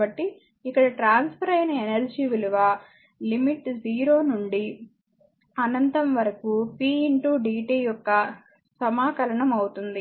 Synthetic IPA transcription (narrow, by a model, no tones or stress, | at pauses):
ɐʈːi | ikːɐɽɐʈɾaːnspʰɐɾɐjnɐenɐɾd͡ʒiːʋiluʋaː | limiʈːd͡ʒiːɾoːnuɳɖi | ɐnɐnt̪ɐmʋɐɾɐkupiːiɳʈuːɖiːʈiːjɔkːɐ | sɐmaːkɐlɐɳɐmɐwut̪und̪i